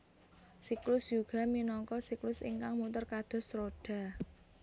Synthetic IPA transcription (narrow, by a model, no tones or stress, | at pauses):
siklʊsjuɡ̥a̤minɔŋkɔsiklʊsḭŋkaŋmut̪ərkad̪̥ɔ̤sɾoɖ̥a̤